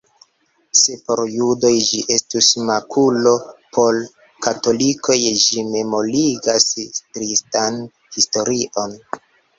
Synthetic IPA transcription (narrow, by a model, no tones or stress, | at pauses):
se̞po̞ɾjudo̞jd͡ʒiʔe̞stusmakʰulo̞pʰo̞l | kato̞likʰo̞jd͡ʒime̞mo̞liɡaskɾistan | histo̞ɾiʔo̞n